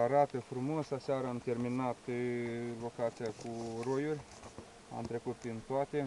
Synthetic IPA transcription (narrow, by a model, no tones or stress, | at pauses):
aɾat̪əfɾumosasaɾəamt̪e̞rminat̪ | lo̞kat̪sijakuɾojurʲ | a̰mt̪ɾe̞kut̪̚b̪int̪oat̪e